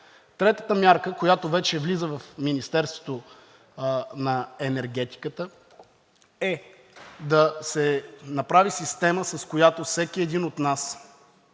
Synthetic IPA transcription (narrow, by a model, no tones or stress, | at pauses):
t̪ɾɛt̪ə̥t̪əmʲjaɾkəkojat̪ovɛt͡ʃɛvlizəvɐfminist̪ɛɾst̪vo̥t̪o | nɐɛnɛɾɡɛt̪i̥kət̪ə | ɛ | d̪ɐsɛnɐpɾavisist̪ɛməsɐskojat̪ofsɛkiɛd̪inot̪nas